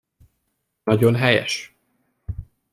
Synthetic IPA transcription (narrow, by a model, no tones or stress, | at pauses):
nɒɟo̞nɦɛjɛ̰ʃ